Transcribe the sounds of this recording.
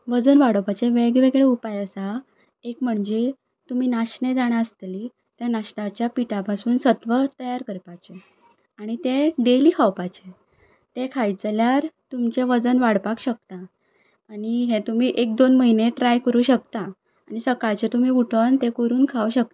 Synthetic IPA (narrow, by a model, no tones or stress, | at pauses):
ʋəd͡zənʋaɽəwpat͡ɕeʋeɡʋeɡɭeupajəsa | ekm̤əɳd͡ze | t̪um̤iːnaɕɳed͡zaɽ̃aəst̪liː | t̪janaɕnat͡ɕjapiʈapasuːnsət̪ʋət̪əjaɾkəɾpat͡ɕe | aɽ̃it̪ẽɖeliːkʰawpat͡ɕe | t̪ekʰajd͡zljaɾt̪umt͡ɕeʋəd͡zənʋaɽpakɕək̚t̪aː | ɽ̃iɦẽt̪um̤iːʔek̚d̪onməɦineʈɾajkəɾuːɕək̚t̪a | aɽ̃isəkaɭt͡ɕet̪um̤iːuʈʰənt̪ekəɾuːnkʰauɕək̚t̪ḁ